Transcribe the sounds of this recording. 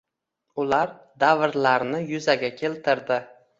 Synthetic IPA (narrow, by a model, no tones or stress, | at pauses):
ʊlaɾ | d̪avɾlaɾnɪjʊzaɡʲakʲʰe̞lt̪ʰɪɾd̪ɪ